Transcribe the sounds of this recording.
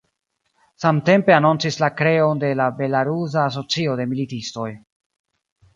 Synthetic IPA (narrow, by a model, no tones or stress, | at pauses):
samte̞mpe̞anont͡sislakɾe̞o̞nde̞labe̞laɾus̬aːs̬o̞t͡sio̞de̞militisto̞j